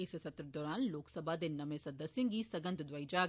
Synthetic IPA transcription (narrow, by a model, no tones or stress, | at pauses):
ɪssɐt̪ɾəd̪ɔːɾaːnloːksəbʱad̪enɐmẽsɐd̪əsjɪ̃ŋɡisɐɡə̃nt̪d̪ʋaːid͡ʒaːɡ